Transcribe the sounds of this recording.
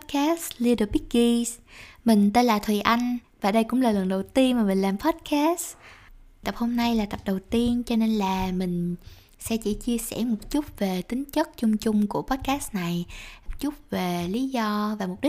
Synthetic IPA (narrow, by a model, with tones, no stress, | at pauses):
t̚ka˦˥sli˧ɗə˨˩ɓi˦˥k̚ɡi˧smï˨˩ŋ̟t̪e˧nlaː˨˩t̪ʰwi˨˩ʔa˧jŋ̟ | vaː˨˩ɗə˧jkʊ̰˧˥ŋ͡mlaː˨˩lə˨˩ŋɗə˨˩wt̪i˧ənmaː˨˩mï˨˩ŋ̟laː˨˩mpʰɔ˦˥t̚ka˦˥s | t̪ə˨˩p̚ho˧mna˧jlaː˨˩t̪ə˨˩p̚ɗə˨˩wt̪i˧ənt͡ɕɔ˧ne˧nlaː˨˩mï˨˩ŋ̟ | sɛ̰˧˥t͡ɕḭ˧˩t͡ɕi˧əsɛ̰˧˩mo˨˩t̚t͡ɕu˦˥t̚ve˨˩t̪ï˨˦ŋ̟t͡ɕə˦˥t̚t͡ɕʊ˧ŋ͡mt͡ɕʊ˧ŋ͡mku˧˩əpɔ˦˥t̚kaː˦˥sna˨˩j̚t͡ɕu˦˥t̚ve˨˩li˨˦zɔ˧vaː˨˩mo˨˩p̚ɗi˦˥